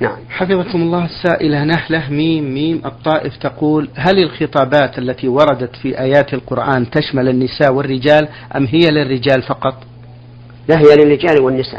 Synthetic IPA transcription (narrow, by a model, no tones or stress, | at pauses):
naʕamħɑfɨðˤɑkʊmɑlˤːɑːhasːaːʔɪlanahlahmiːmːiːmʔɨt̪ˤːɑːʔɪft̪aquːlɦalɪlxɨt̪ˤɑːbaːt̪ʔalːat̪iwɑɾˤɑd̪at̪fiʔaːjaːt̪ɪlqʊɾʔaːnt̪aʃmalɪnːɪsaːʔwɪrːɪd͡ʒaːl | ʔa̰mːɦɪjːalɪrːɪd͡ʒaːlfɑqɑt̪ˤ | laɦɪjalɪrːɪd͡ʒaːlwɪnːɪsa̰ː